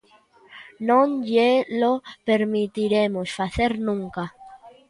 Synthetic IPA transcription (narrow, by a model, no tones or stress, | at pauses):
nõnjelopeɾmit̪iɾemosfaθeɾnũŋka